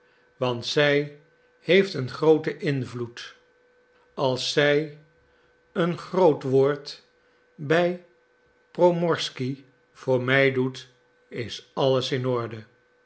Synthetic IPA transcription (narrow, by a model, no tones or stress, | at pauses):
ʋɑntsɛj | hejftənχrowtəʔɪnvlut | ɑlˠsːɛj | ənχrowtʋoːɹt | bɛj | prowmɔɹski | v̥ʊːɹmɛjdut | ɪsɑləsɪnɔɹdə